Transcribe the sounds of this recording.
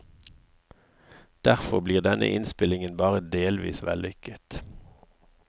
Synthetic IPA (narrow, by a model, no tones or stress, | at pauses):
d̪̥æʁfɔʁbliːʁd̪ɛnʔə̰ʔɪnspɪlɪŋənbɑːʁəd̪eːlʋḭːsʋɛ̰lʏkət̪